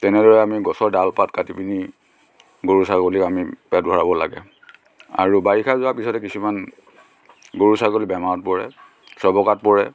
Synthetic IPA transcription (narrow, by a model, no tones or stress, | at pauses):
tɛnɛdɔɹɛamiɡɔsɔɹdalpatkatipini | ɡoɹusaɡolikamipɛt̚bʱɔɹabɔla̰ɡɛ̰ | a̰ɹubaɹikʰazʊapisɔtɛkisuman | ɡoɹusaɡolibɛmaɹɔt̚pɔɹɛ̰ | sɔbɔkat̚pɔɹɛ